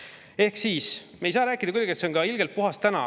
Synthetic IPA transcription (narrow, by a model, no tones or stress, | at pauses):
e̞hksiːsmejsɑːɾæːkːˑid̪ɑkujd̪ɑɡ̥et̪se̞o̞nɡ̥ɑilɡ̥e̞lt̪̚puɦɑst̪ænɑ̰